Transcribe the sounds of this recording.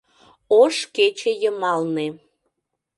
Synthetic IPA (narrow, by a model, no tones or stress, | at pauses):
oʃket͡ɕejəmɑlne